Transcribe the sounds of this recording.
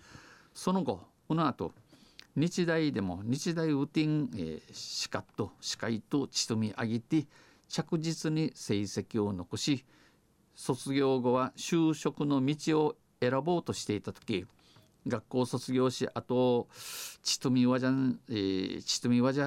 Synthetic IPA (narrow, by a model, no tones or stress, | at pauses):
so̞no̞ɡo̞ | ɯnoat̪o̞̰ɲ̟it͡ɕid̪aid̪e̞mo̞̰ɲ̟it͡ɕid̪aiɯ̟t̪ĩŋḛɕi̥kat̪ːo̞ɕi̥kait̪o̞t͡ɕi̥t̪ɨmʲiʔaɡʲit̪e | t͡ɕakɯ̟ʑit͡sɨɲ̟ise̞ise̞kʲio̞no̞koɕi | so̞t͡sɨɡʲo̞ːɡo̞βaɕɨːɕo̞kɯ̟no̞mʲit͡ɕio̞ | e̞ɾabo̞ːt̪o̞ɕi̥t̪e̞it̪at̪o̥kʲi | ɡakːo̞ːso̞t͡sɨɡʲo̞ːɕiʔat̪oː | i̥t̪ɨmʲiaaet͡ɕi̥t̪ɨmʲiβaʑa